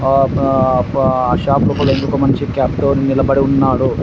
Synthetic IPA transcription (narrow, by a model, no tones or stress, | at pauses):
ɐʃaːpɾukɐlend̪ukɐmɐnt͡ʃikaːpt̪oːninilɐbɐɽiunːaːɽu